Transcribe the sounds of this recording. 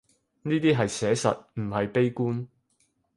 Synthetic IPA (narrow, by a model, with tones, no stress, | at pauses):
niː˥t̪iː˥ɦɐ˨jsɛː˨˥sɐ̰˨t̚m̩˨˩hɐ˨jpe˥jkuː˥n